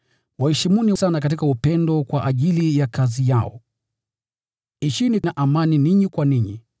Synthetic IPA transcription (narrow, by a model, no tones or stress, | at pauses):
wahɛʃimunisanakat̬ikaupɛndɔkwaʔaʄilijakazijaɔ̰ | iʃininaʔamaniniɲikwaniɲḭ